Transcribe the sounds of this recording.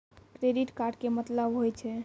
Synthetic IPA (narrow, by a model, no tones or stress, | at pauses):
kɾeɖiʈkaɾɖkemət̪ləbɦojt͡ʃʰɛ